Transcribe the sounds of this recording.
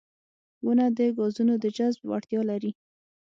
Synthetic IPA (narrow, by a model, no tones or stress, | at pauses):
wunad̪əɡɑzunod̪əd͡ʒazbwa̰ɽt̪jɑlaɾi